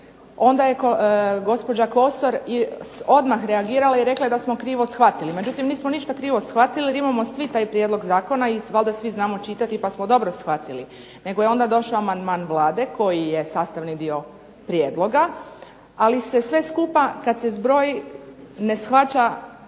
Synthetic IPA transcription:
o̞nd̪aje̞koɡo̞spo̞d͡ʑako̞so̞ɾio̞d̪maxɾeaɡiːɾalaiɾe̞klad̪asmo̞kɾiːʋo̞sxʋat̪ilime̞d͡ʒut̪imniːsmoniʃt̪akɾiːʋo̞sxʋat̪iliɾimamo̞sʋit̪aːjpɾje̞d̪lo̞ɡzaːko̞naiʋalˠd̪asʋiznaːmo̞t͡ʃit̪at̪ipasmod̪o̞bɾo̞sxʋat̪ili | ne̞ɡojeo̞nd̪ad̪o̞ʃaamand̪maːnʋlˠaːd̪e̞ko̞jije̞saːst̪aʋnid̪io̞ | pɾjeːd̪lˠo̞ɡa | alise̞sʋe̞skupakad̪se̞zbɾo̞ːj | ne̞sxʋat͡ʃa

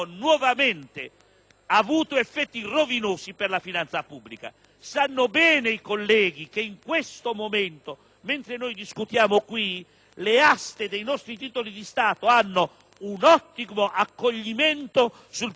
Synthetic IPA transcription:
nwɔvamɛnt̪ɪ | avuːt̪oefːɛt̪ːirovinoːsiperlafinant̪sapubːlika̰ | sanːobɛːneikolːɛːɡik̟eiŋkwest̪omomɛnt̪o | ment̪ɾenojd̪iskut̪jaːmokwi | least̪ed̪ejnɔst̪ɾit̪iːt̪olid̪ist̪aːt̪oanːo | unɔt̪ːimoʔakːoʎːimɛnt̪o | sul

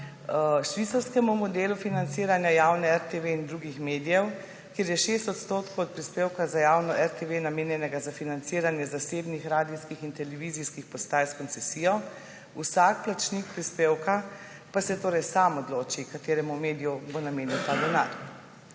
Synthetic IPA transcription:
ʃʋit̪saɾskɛmumɔd̪eːlufinant̪siːɾanjajawnɛɛɾt̪eʋeind̪ɾuːɡixmeːd̪ijɛw | kjeːɾjɛʃest̪ɔt̪st̪oːt̪kɔwɔt̪̚pɾispeːwkazajawnɔʔɛɾt̪eʋenameːnjɛnɛɡazafinant̪siːɾanjɛzaseːbnixɾaːd̪iskixint̪ɛlɛʋiːziskixpɔst̪aːjɛskɔnt̪sɛsijɔ | usak̚plat͡ʃnikpɾispeːwka | pasɛt̪oːɾɛjsaːmɔd̪loːt͡ʃikat̪eːɾɛmumeːd̪ijubonameːniwt̪aːd̪ɛna̰ːɾ

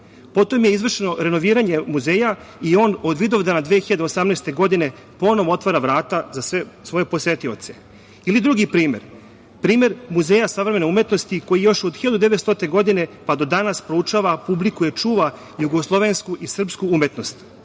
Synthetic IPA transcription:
po̞t̪omjeizʋr̩ʃeno̞ɾe̞no̞ʋiːɾaɲe̞muze̞ːjaio̞ːnod̪ʋid̪o̞vd̪aːnad̪ʋeːxiʎad̪eosamneːst̪e̞ɡo̞d̪ine̞ | po̞no̞ʋoo̞t̪ʋaɾaʋɾaːt̪azasʋe̞sʋo̞je̞po̞se̞t̪io̞̰t̪se̞ | ilid̪ɾuɡipɾiːme̞̰ɾ | pɾiːme̞ɾmuzeːjasaʋɾeme̞noumjet̪no̞st̪iko̞jijo̞ʃod̪xiʎad̪ud̪eʋet̪st̪ot̪eɡo̞d̪ine̞pad̪o̞d̪anaspɾout͡ʂaʋapublikujet͡ʂuːʋa | juɡo̞slˠo̞ʋe̞nskuʔisr̩pskuumje̞t̪no̞st̪

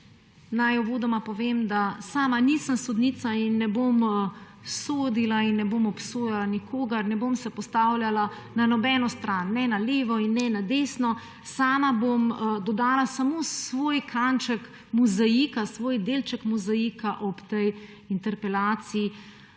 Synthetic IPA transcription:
najɔʋoːd̪ɔmapɔʋemd̪asaːmanisəmsɔd̪niːt̪sainːɛbom | soːd̪ilainːɛbomɔpsoːjalanikʰoːɡɐɾnɛbomsɛpɔst̪awljala | nanɔbɛnɔst̪ɾanːɛnaleːʋɔinːɛnad̪esnɔ | saːmabomd̪ɔd̪aːlasamosʋoːjkʰant͡ʃək | muzaikasʋoːjd̪eːlt͡ʃəkmuzajikaʔɔpt̪ɛj | int̪ɛɾpɛlaːt̪siː

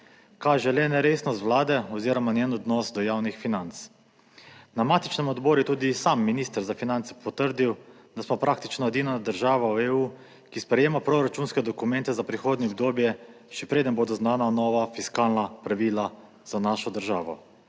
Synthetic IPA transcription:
kaːʒɛlɛnɛɾeːsnɔst̪ʋwlaːd̪ɛɔziːɾɔmanjɛːnɔd̪nɔsd̪ɔjaːwnixfinant̪s | namat̪it͡ʃnɛmɔd̪bɔːɾujɛt̪uːd̪isamːinist̪əɾzafinant̪sɛ̥pʰɔt̪əɾd̪iw | d̪asmɔpɾaːk̚t̪it͡ʃnɔjɛd̪iːnad̪əɾʒaːʋaweuː | kispɾɛjeːmapɾoɾat͡ʃunskɛd̪ɔkumɛ̃nt̪ɛzapɾixoːd̪nʲɛɔb̚d̪oːbjɛʃɛpɾeːd̪ənboːd̪ɔznaːnanɔːʋafiskaːlnapɾaʋiːla | z̥anaːʃɔd̪əɾʒaːʋɔ̰

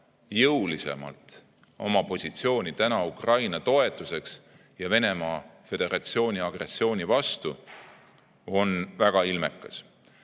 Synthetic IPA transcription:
jɤwlise̞̰mɑ̰lt̪ | o̞̰mɑpo̞sʲit̪sio̞ːnʲit̪ænɑukrɑjnɑt̪o̞e̞t̪ːˑuse̞ks | jɑve̞ne̞mɑːfe̞d̪̥e̞ɾɑt̪sio̞ːnʲiɑɡ̥re̞sːio̞ːnʲivɑst̪u | o̞nvæɡ̥ɑilmekːˑɑs

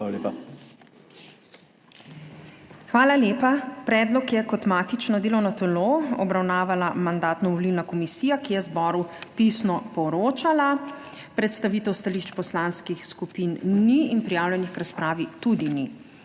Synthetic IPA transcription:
alepa | xʋaːlaljeːpapɾɛːd̪lɔkjɛkɔt̪maːt̪it͡ʃnɔd̪eːlɔwnɔt̪ɛloɔ̰bɾawnaːʋalamand̪aːt̪nɔʋɔlilnakɔmisiːjakijɛzbɔːɾup̪isnɔpɔɾoːt͡ʃala | pɾɛt̪st̪aʋiːt̪ɛwst̪aliʃt͡ʃpɔslaːnskixskupinːiinpɾijawljɛnixkɾaspɾaːʋit̪ud̪ini

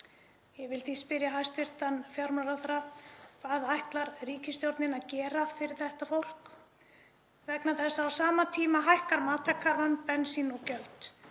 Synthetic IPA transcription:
jɛvɪlθispɪɾjaɦajst̪vɪr̥t̪anfjawɾmaɾaθɾakʰvaːðajht̪laɾriːcɪst̪jowɾt̪nɪnaðcɛːɾafɪɾɪɾ̥θɛht̪afowl̥k | vɛknaθɛsːaːwsaːmat̪ʰiːmaɦajhkaɾmaːt̪ʰakʰːaɾvanpɛnsinɔcœlt̪

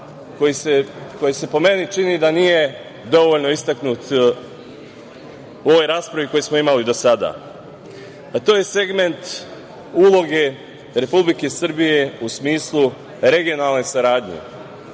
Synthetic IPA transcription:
kojiseko̞jise̞po̞me̞nit͡ʃinid̪aniːje̞ | d̪o̞ʋo̞ʎno̞ist̪aknuːt̪ | oʋojɾaːspɾaʋiko̞jesmoimalid̪o̞sad̪a̰ | at̪o̞ːje̞seɡme̞nt̪ | ulˠo̞ɡe̞ | ɾe̞publike̞sr̩bije̞usmiːslˠu | ɾe̞ɡijo̞nalˠne̞saɾaːd̪ɲḛ

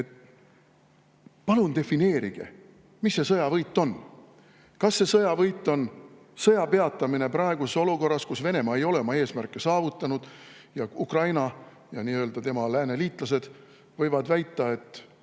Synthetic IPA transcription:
et̪ | pɑlunt̪e̞fine̞ːɾiɡ̥ḛ | misːe̞sɤjɑvɤjt̪ːˑo̞n | kɑsːe̞sɤjɑvɤjt̪ːˑo̞n | sɤjɑpe̞ɑt̪ˑːɑmine̞prɑeɡ̥useso̞luko̞rːɑskusve̞ne̞mɑe̞jo̞le̞mɑe̞ːsmærkːˑe̞sɑːvut̪ːˑɑnud̪̥jɑukrɑjnɑ | jɑniø̞ld̪̥ɑt̪e̞mɑlæːne̞liːt̪ˑlɑse̞d̪̥ | vɤjvɑd̪væjt̪ˑːɑe̞t̪ːˑ

